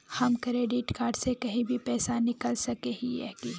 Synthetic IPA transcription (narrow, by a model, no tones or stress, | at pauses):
hɐmkɾeːɖɪʈkaːɾɖsekɐɦĩbʱipɛːsanɪkəlsɐkeɦiɛ̰ːki